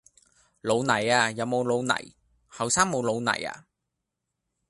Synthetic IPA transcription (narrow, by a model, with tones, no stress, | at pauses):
lo˨˧wnɐ˨˩jaː˧jɐ˨˧wmo˨˧wlo˨˧wnɐ̰˨˩j | hɐ˨wsaː˥ŋmo˨˧wlo˨˧wnɐ̰˨˩ja̰ː˧